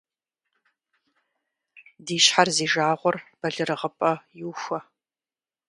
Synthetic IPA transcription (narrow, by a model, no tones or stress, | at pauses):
diːɕħarziːʒaːʁʷɔrb̥ɐɮɨrɨʁəpʼɐjɪwxʷɐ